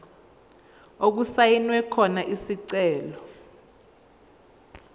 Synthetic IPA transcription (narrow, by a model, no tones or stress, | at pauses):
ok̬usajinwɛkʰɔnaʔisiǀɛːlɔ